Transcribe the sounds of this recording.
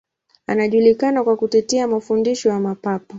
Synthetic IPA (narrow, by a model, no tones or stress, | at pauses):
anaʄulikanakwakutɛtɛamafundiʃɔjamapapɔ